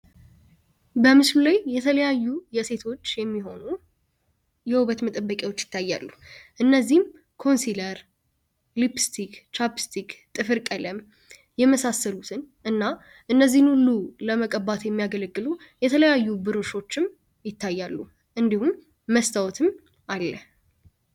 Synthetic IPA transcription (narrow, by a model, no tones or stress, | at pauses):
bəmɨslulajːɛt̪ʰələjajːujɛse̞t̪ʰo̞t͡ʃːjɛmːiɦo̞nu | jɛwuβət̪mət̪ʼəbːəkʼewot͡ʃːjɪt̪ʰːajːa̰lːuʔɨnːəzːihm | kʰo̞nsiləɾ | lipst̪ʰikt͡ʃapɨ̥st̪ʰikt̪ʼɨfɨɾkʼələm | jɛməsasːəlut̪ʰɨnʔɨnːa | ʔɨnːəzːihnhulːuləməkʼəbːat̪jɛmːijaɡələɡːɨlu | jɛt̪ʰələjajːubɨɾɨʃo̞t͡ʃːɪm | jɪt̪ːajːalːu | ʔɨnd̪ihumː | əst̪ʰawɔt̪ʰɨm | ʔalːə